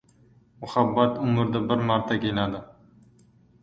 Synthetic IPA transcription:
mʊχabːat̪ʊmʊɾd̪abɪɾmɑɾt̪ʰakʲelad̪ɪ

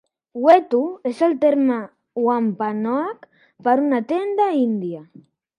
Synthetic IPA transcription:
wet̪uezelt̪eɾma | wampanoak | paɾunat̪end̪aind̪ja

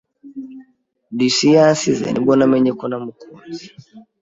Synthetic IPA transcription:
ndisijansizɛ̰nḭbɔnamɛɲɛkɔnamukuzi

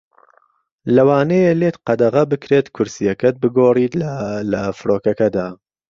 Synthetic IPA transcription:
lɐwaːnejeleːt̪qɐd̪ɐʁɐbɨkɾeːt̪kʰʊɾsijɐkɐt̪̚bɨɡoːriːt̪llɐfɨɾoːkɐkɐd̪aː

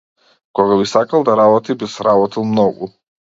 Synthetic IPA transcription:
kɔɣabisakalˠd̪aɾabɔt̪ibisɾabɔt̪ilˠmnɔɡu

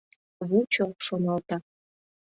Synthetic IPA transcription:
βut͡ɕoʃonɑlt̪ɑ

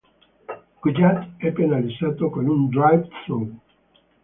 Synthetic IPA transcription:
kud͡ʒat̪ɛpːenalizaːt̪okonund̪ɾajvt̪ɾon

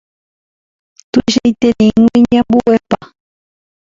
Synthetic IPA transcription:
t̪uʃejt̪enẽŋẽɲãmbuepa

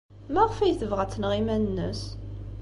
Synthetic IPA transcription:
mæʁfæjθəvʁæt͡sːənʁimænənːə̰s

